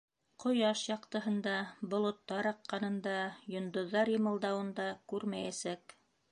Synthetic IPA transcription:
qʰŏjɑʃjɑqt̪ɤ̆ɦɤ̆nd̪ɑbŏlˠŏt̪ːɑɾɑqːɑnɤ̆nd̪ɑjŏnd̪ŏðːɑɾjɤ̆mɤ̆lˠd̪ɑwɤ̆nd̪ɑkʉɾmæjæsæk

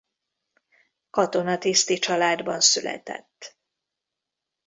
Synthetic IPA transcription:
kɒt̪o̞nɒt̪ist̪it͡ʃɒlaːd̪bɒnsylɛ̰t̪ɛ̰t̪ː

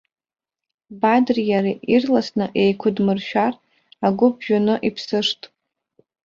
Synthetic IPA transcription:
badrjaɾiʔirlasnɨʔe̞jkʷʰʊdmɨrʃᶣar | aɡʷʊbʒᶣanɨʔipʰsɨʂtʼ

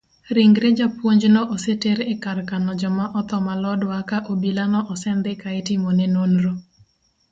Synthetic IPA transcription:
ɾɪŋɡɾed͡ʒapwoɲd͡ʒnɔʔɔseteɾɛkarkanɔd͡ʒɔmaʔɔt̪ɔmalɔdwakaʔobilanɔʔɔsɛnd̪ɛkaetɪmonɛnonɾo

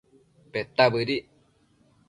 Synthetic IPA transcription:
pet̪aβɨɾi

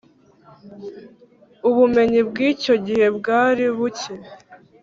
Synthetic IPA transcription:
uβume̞ɲibɡiːco̞ɟihe̞bɡaːɾiβuce

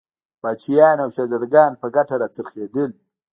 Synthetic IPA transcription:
b̥ɑːt͡ʃijɑnawʃazad̪ɡɑnpəɡaʈaɾat͡səɾxed̪əl

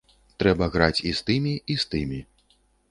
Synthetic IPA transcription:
t̪ɾɛbɐɣɾat͡sʲist̪ɨmʲiist̪ɨmʲi

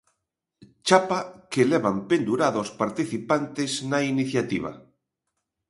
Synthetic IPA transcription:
t͡ʃapakelɛβampend̪uɾaðospaɾt̪iθipant̪eznainiθjat̪ḭβ̞a̰

